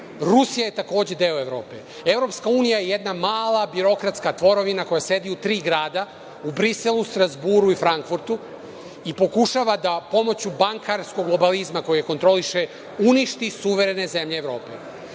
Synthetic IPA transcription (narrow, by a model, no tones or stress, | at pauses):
ɾusijaje̞t̪ako̞ːd͡ʑe̞d̪eoe̞ʋɾo̞ːpe̞̰ | e̞vɾo̞pskauːnijaje̞jed̪namaːlˠabiɾo̞kɾat̪skat̪ʋo̞ɾo̞ʋinako̞jase̞d̪iut̪ɾiːɡɾaːd̪a | ubɾiselust̪ɾazbuɾuifɾaŋkfuɾt̪u | ipo̞kuʃaʋad̪apo̞mo̞t͡ɕubaŋkaɾsko̞ɡlˠo̞balizmako̞jijekont̪ɾo̞liʃe̞ | uniʃt̪isuʋe̞ɾe̞ne̞ze̞mʎeːʋɾo̞ːpḛ